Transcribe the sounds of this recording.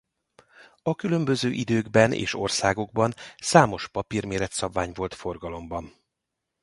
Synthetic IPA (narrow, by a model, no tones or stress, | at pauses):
ɒkylø̞mbøzøːʔid̪øːɡbɛnḛːʃo̞rsaːɡo̞ɡ̚bɒnsaːmo̞ʃpɒpirmeːɾɛt̪sɒbvaːɲvo̞lt̪fo̞rɡɒlo̞mbɒn